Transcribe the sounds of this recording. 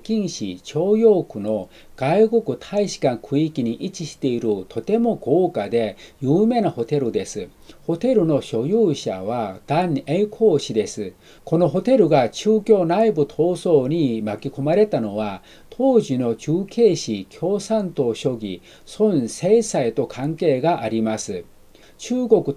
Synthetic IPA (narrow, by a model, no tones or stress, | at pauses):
kʲĩɰ̃ɕḭt͡ɕo̞ːjo̞ːkɯ̟no̞ | ɡ̥aiko̞kɯ̟t̪ʰaiɕi̥kãŋkʰɯ̟ikʲiɲ̟iʔit͡ɕiɕi̥t̪e̞iɾɯ̟t̪ʰo̞t̪e̞moɡoːkad̪e̞jɯ̟ːme̞ːnaho̞t̪e̞ɾɯ̟d̪e̞sɨ | ho̞t̪e̞ɾɯ̟no̞ɕo̞jɯːɕa̰βad̪̥ãŋeikʰoːɕid̪e̞sɨ | ko̞no̞ɦo̞t̪e̞ɾɯ̟ɡat͡ɕɨːkʲo̞ːnaibɯ̟t̪ʰo̞ːso̞ːɲ̟imakʲiko̞maɾe̞t̪ano̞βa | t̪ʰo̞ːʑino̞t͡ɕɨːke̞ːɕikʲʰo̞ːsãnt̪o̞ɕo̞ɡʲi | sõñseisait̪o̞kʰãŋke̞ːɡaʔaɾʲimasɨ | t͡ɕɨːɡo̞kɯ̟